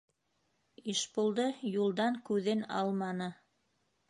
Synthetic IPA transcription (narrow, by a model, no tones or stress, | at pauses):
iʃpulˠd̪ɤjulˠd̪ɑŋkʉðɘnɑ̰lˠmɑnɤ